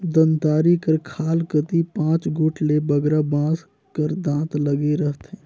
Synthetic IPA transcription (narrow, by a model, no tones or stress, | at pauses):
d̪ənt̪aːɾikəɾkʰaːlkət̪ipãːt͡ʃɡʱʊʈʰlebəɡɾabãːs | kəɾd̪ãːt̪ləɡeɾəɦt̪ɦɛ̃ː